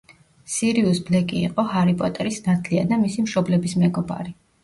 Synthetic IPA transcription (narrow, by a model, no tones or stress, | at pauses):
siɾiusblɛkʼḭːqʼɔhaɾipʼɔt̪ʼɛɾisnat̪ʰliad̪amisimʃɔblɛbismɛɡɔba̰ɾi